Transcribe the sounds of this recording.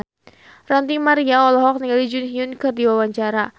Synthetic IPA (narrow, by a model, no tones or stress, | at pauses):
rant̪imaɾiaɔlɔɦɔk̚niŋɡalid͡ʒunɦiunkɨrdiwawaɲt͡ʃaɾa